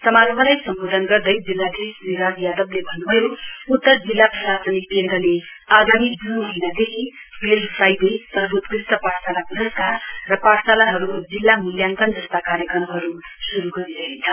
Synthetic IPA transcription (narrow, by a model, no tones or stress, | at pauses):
sʌmalʌbʱalajsʌmbod̪ʱʌnɡʌrd̪ʌjd͡zilːad̪esniɾad͡zjad̪ʌblebʱʌnːubʱʌjout̪ːʌrd͡zilːaprʌsasʌnipienɾʌle | aɡamidunɦojnad̪ekʰi | melusajd̪ʌjpʌrbʱut̪krisʈ̪ʌpaʈsalapdʌskarrʌpaʈsalaɦʌɾud͡zilːamiljaŋkʌnd͡zʌst̪akaɾjʌkrʌrmɦʌɾu | suɾuɡʌɾiɾʌint͡sʰʌ